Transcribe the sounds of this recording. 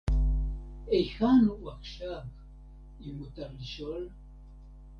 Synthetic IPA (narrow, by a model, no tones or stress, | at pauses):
ejxanuwakʃak | imut̪aɾliʃol